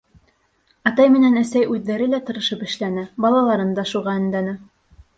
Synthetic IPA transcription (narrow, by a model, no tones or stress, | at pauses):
ɑt̪ɑjmɘ̆nænæsæjʉðːæɾɘlæt̪ɤ̆ɾɤ̆ʃɤpɘ̆ʃlænɘbɑlˠɑlˠɑɾɤnd̪ɑʃuʁɑɘ̆nd̪ænɘ